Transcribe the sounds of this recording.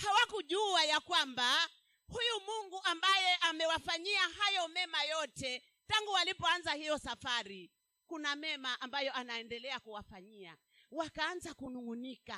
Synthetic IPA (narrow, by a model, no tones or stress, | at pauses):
hawakuʄuajakwamba | hujumuŋɡuʔambajɛʔamɛwafaɲiaɦajɔmɛmajɔtɛ | taŋɡualipɔanzahijɔsafaɾi | kunamɛmaʔambajɔanaɛndɛlɛakuwafaɲia̰ | wakaanzakunuŋunika